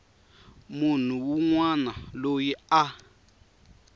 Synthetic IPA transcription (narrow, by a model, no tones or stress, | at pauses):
mun̤uwuŋwanalojia